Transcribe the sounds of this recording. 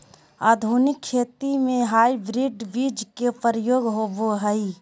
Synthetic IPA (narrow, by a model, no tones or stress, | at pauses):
aːd̪ʱunɪkʰːʃʰeːt̪imẽɦaːibɾɪɖbid͡ʒkepəɾəjoːɡɦoːboɦəi